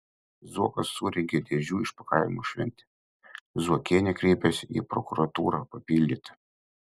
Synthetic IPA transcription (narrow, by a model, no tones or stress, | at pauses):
zuɔkɐsːuːɾʲɛŋʲɡʲɛd̪ʲeːʒʲuːɪʃpɐkaˑɪmuʃʲʋʲɛ̰nʲt̪ʲɛ̥ | zuɔkʲeːnʲɛkɾʲɛɪpʲɛsʲḭpɾɔkʊɾɐt̪uːɾɑpɐpʲiːlʲd̪ʲiːt̪ɐ̥